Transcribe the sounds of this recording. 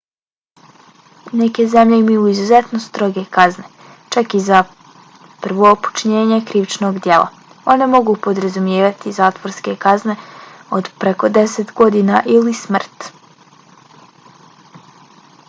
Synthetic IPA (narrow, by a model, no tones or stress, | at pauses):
neke̞ze̞mʎe̞imajuizuze̞t̪nost̪ɾo̞ɡe̞kazne̞ | t͡ʃakiza | pr̩ʋo̞ːpu̥t͡ʃɲe̞ːɲe̞kɾiːʋt͡ʃnoɡd̪je̞lˠa̰ | o̞ne̞mo̞ɡupo̞d̪ɾazumjeːʋat̪izaːt̪ʋo̞ɾske̞kazne̞o̞d̪pɾeko̞d̪e̞set̪ɡo̞d̪inaʔilismr̩t̪